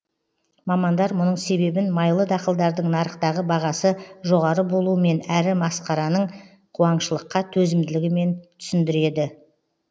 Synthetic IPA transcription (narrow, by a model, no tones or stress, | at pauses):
mɑmɑnd̪ɑɾmʊnəɴse̞be̞bɪnmɑjlˠəd̪ɑqəlˠd̪ɑɾd̪əɴnɑɾəqt̪ɑʁəbɑʁɑsəʒo̞ʁɑɾəbo̞lˠuəme̞næɾɪmɑsqɑɾɑnəɴ | qʰuɑɴʃəlˠəqːɑt̪ʰɵzɪmd̪ɪlɪɡʲɪme̞nt̪ʰʏ̥sɪnd̪ɪɾe̞d̪ɪ